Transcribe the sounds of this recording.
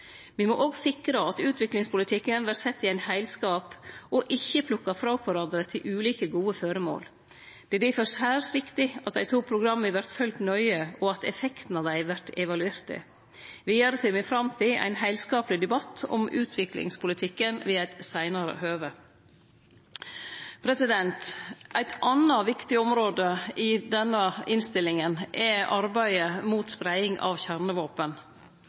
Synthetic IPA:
ʋimɔʔoːɡsɪkɾəɑt̪ʉːt̪ʰʋɪklɪŋspʊlɪt̪ʰɪkənʋæɾsɛt̪ːɪæɪnhæɪlskɑːpʔɔʔɪçːəpʰlʊkːɑfɾɑʊkʋæɾɑnd̪ɾət̪ʰɪlʔʉːliːkəɡuːəføɾəmo̰ːl | d̪̥ɛd̪iːfɔɾshæːɾsʋɪkt̪ɪɑt̪̚d̪æɪt̪ʰuːpʰɾʊɡɾɑmːɪʋæɾt̪fœlt̪nœʏəɔɑt̪ɛ̰fɛkt̪n̩ɑːʋd̪æɪʋæɾt̪ɛʋɑlʉeːɾt̪ɪ̰ | ʋɪːæɾəsɪːmɪfɾɑmt̪ʰɪʔæ̰ɪnɦæɪlskɑːpəlɪd̪ɛbɑt̪ʰːɔ̰mʔʉ̰ːt̪ʰʋɪklɪ̰ŋspʊlɪt̪ʰɪkːənʋiːæɪt̪sæɪnɑɾə̰høːʋə | pʰɾɛsɪd̪ɛnt̪ʔæɪt̪ʔɑnɑʋɪkt̪ɪɔmɾoːd̪əɪd̪ɛnːəɪnst̪ɪlɪŋənʔɛʔɑɾbæɪəmuːt̪spɾæɪɪŋʔɑ̰ʋçæɾnəʋoːpən

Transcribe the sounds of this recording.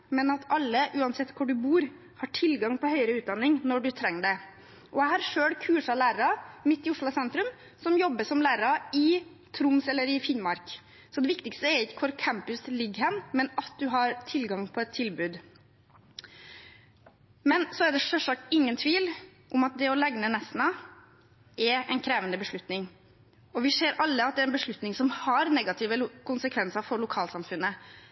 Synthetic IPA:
mɛnɑt̪ɑlːəʔʉːɑnsɛt̪ːkʰʊɖʉbuːɾ | hɑːʈʰɪlɡɑŋpʰɔhœʏəɾəʉːt̪̚d̪ɑnːɪŋnɔɖʉt̪ʰɾɛŋːd̪ɛ | ʔɔæɪhɑːɾʂøːɽkʰʉːʂɑlæːɾəɾɑmɪt̪ːɪʊʂɭʊsɛnt̪ɾʉm | sɔmjɔbːəsɔmlæːɾəɾɑɪ | t̪ʰɾʊmsɛlːəɾɪfɪnmɑɾk | sɔd̪ɛʋɪkt̪ɪkst̪əɛɾɪkːə̥kʰʊɾkʰæmpʉslɪɡhɛnmɛnɑt̪̚d̪ʉɦɑɾt̪ʰɪlɡɑŋpʰɔɛt̪ʰːɪlbʉːd̪ | mɛnsɔɛɖ̪ɛʂɛlʂɑk̚t̪ɪŋːənt̪ʰʋiːl | ʔʊmɑt̪̚d̪ɛɔlɛɡnənɛsnɑ | ʔɛɾɛ̰ɪnkʰɾeːʋənd̪əbəʂɭʉt̪nɪŋ | ɔʋɪseːɾɑlːəɑt̪̚d̪ɛæɾɛnbəʂɭʉt̪nɪŋsɔmhɑɾnɛɡɑt̪ʰɪːʋəlkʰʊnsəkʰʋɛnsəɾfɔɾɭʊkʰɑːlsɑmfʉnːə

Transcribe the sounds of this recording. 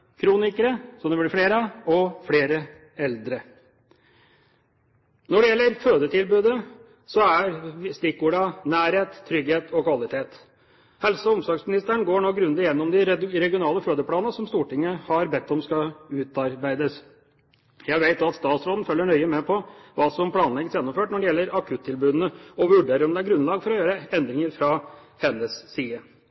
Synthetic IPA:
kʰɾuːnɪkəɾəsɔmd̪ɛblɪfɽeːɾəɔfɽeːɾə | ɛld̪ɾə | nɔɖɛjɛlːəɾføːd̪ət̪ʰɪlbʉːd̪ə | sɔæɾst̪ɪkuːɖɑnæːɾheːt̪ʰːɾʏɡheːt̪ʰɔkʋɑlɪt̪ʰeːt̪ | hɛlsɔʊmsɑksmɪnɪst̪əæɳɡoːɳoːɡɾʉnd̪ɪjɛnːɔmd̪ɪɾɛɡɪʊnɑːləfɾøːd̪əpʰlɑːnəsɔmst̪uːʈɪŋːəhɑɾbɛt̪ːɔmskɑʉːt̪ɑɾbæɪd̪əs | jæɪʋeɪt̪ɑt̪st̪ɑːt̪sɾoːd̪n̩fœlːəɳœʏəmɛpʰɔʋɑːsɔmpʰlɑːnlɛɡəsjɛnːɔmføːʈnɔɖɛjɛlːəɾɑkʰʉt̪ʰːɪlbʉːd̪n̩əɔʋʉɖeːɾəɔmd̪ɛæɾɡɾʉnlɑːɡfɔɾɔjøːɾəɛnd̪ɾɪŋəɾfɾɑ | hɛnːəsːiːə

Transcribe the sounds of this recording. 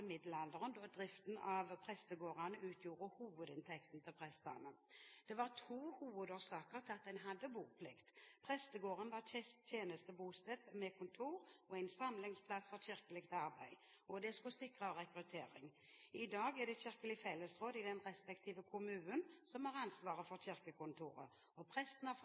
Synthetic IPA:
mɪd̪lɑld̪əʁənd̪oːd̪ʁɪft̪n̩ɑʋpʰʁɛst̪əɡoːʁɑnəʉːt̪ʰjuːʁəhuːʋəd̪ɪnt̪ʰɛkt̪n̩t̪ʰɪlpʰʁɛst̪ɑ̰nəd̪̥ɛʋɑʁt̪ʰuːhuːʋəd̪oːsɑːkəʁt̪ʰɑt̪̚d̪ɛnɦɑd̪ːəbuːpʰlɪkt̪pʰʁɛst̪əɡoːʁənʋɑʁt̪ʰjeːnəst̪əbuːst̪ɛbmɛkʰʊnt̪ʰuːʁɔæɪnsɑmlɪŋspʰlɑsfɔçɪʁkəlɪkt̪ɑʁbæɪ | ɔd̪ɛskʊsɪkʁəɑʁɛkɾʉt̪ʰeːɾɪ̰ŋɪd̪ɑːɡɛd̪ɛçɪʁkəlɪfɛlːəsʁoːd̪ɪd̪ɛnʁɛspɛkt̪ʰiːʋəkʰʊmʉːnənsɔmɑʁɑnsʋɑːʁəfɔʁɕɪʁkəkʊnt̪ʰuːʁə̰ | ɔpʰʁɛst̪n̩ɑ

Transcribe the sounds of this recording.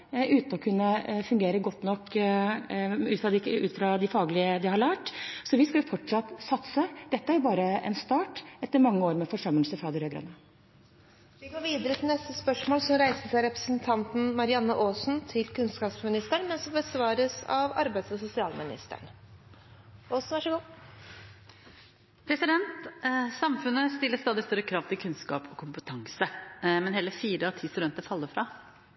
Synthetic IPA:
ʉːt̪nɔkʰʉnːəfʉŋɡeːɾəɡɔt̪ːnɔkː | ʉːt̪fɾɑd̪ɪʉ̰ːt̪fɾɑd̪ɪfɑːɡlɪəd̪ɪhɑɾɭæːʈsɔʋɪskɑʊfɔʈʂɑt̪ːsɑt̪səd̪̥ɛt̪ːəæɾjbɑːɾəɛ̰nst̪ɑːʈɛt̪ːəɾmɑŋːəoːɾmɛfɔʂœmːəlsəfɾɑːd̪ɪɾøːɡɾɑ̰ːnːə | ʋɪɡoːɾʋiːd̪əɾət̪ʰɪlnɛst̪əspœʂmoːlsɔmɾæɪst̪əsæɪɾɛpɾə̥snt̪ʰɑnt̪n̩mɑɾɪɑnːəʔoːsnt̪ʰɪlkʉnskɑːpsmɪnɪst̪əɳmɛnsɔmbəsʋɑːɾəsɑ̰ʋɑ̰ɾbæɪsɔsʊsɪɑːlmɪnɪ̰st̪ə̰ɳ | ʔoːsn̩ʋɑʂəɡuː | pʰɾɛsɪd̪ɛnt̪sɑmfʉnːəst̪ɪlːəst̪ɑːd̪ɪst̪œɾəkʰɾɑːʋt̪ʰɪlkʰʉnskɑ̰ːpʰɔkʰʊmpət̪ʰɑŋsəmɛnɦeːləfiːɾəɑt̪ʰiːst̪ʉd̪ɛnt̪əɾfɑlːəɾfɾɑ

